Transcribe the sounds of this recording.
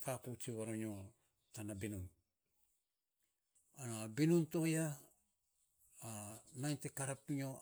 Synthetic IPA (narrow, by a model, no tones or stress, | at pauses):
fakut͡ʃiβaɾoɲo̞ | tanabinun | anabinunto̞ja | najntekaɾapiɲo̞